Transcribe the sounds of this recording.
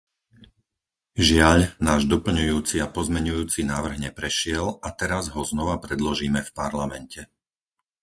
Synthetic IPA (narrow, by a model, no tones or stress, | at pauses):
ʒɪaʎnaːʒd̪ɔpl̩ɲujuːt͡siapɔzmɛɲujuːt͡sinaːʋr̩ɣɲɛpɾɛʃɪɛlat̪ɛɾazɦɔznɔʋapɾɛd̪lɔʒiːmɛfpaɾlamɛncɛ